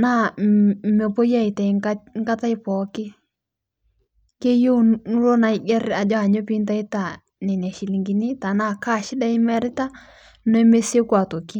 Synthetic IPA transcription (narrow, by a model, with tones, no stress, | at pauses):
na˦˨ | me˨po˦ja˦i˨tɛ˨˦ŋa˦ŋɡa˦ta˦ɪ˦pɔ˨˦kɪ˦ | ke˦jo˦nu˦lo˦na˨ɪ˦ɡɛ˦ɾa˨d͡ʒɔ˦a˨ɲo˦pi˦nta˦i˦ta˨ | nɛ˨n˨a˨ʃi˨li˨ŋɡi˨ni˦ta˨na˦˨ka˦˨ʃɪ˦da˦ɪ˦mɛ˦ɾɪ˦ta˦ | no˦ɛ˦me˦se˦kwa˨to˨ki˦